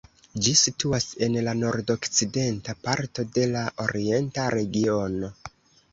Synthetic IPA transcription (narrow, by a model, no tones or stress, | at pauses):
d͡ʒisituase̞nlano̞ɾdo̞kt͡side̞ntapaɾto̞de̞laʔo̞ɾie̞ntaɾe̞ɡio̞no̞